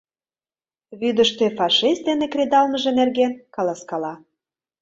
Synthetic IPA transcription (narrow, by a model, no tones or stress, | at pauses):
βyd̪əʃt̪efɑʃist̪̚d̪enekɾed̪ɑlməʒĕnerɣenkɑlɑskɑlɑ